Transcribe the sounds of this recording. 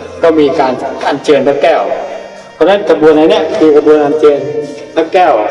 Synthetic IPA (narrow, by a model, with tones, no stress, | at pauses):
ka˧˥˩wmiː˧˩kaː˨nkaː˨˩nt͡ɕɤː˨˧nt̪a˧˩kɛː˧˩w | pʰɔ˧˩na˥˨nkʰaː˧˩bu˧ənha˧˩nɛ˧˩˨miː˧ka˧bu˧ənhaː˧˩nt͡ɕɤː˧nt̪ʰa˧˩kɛː˧˩w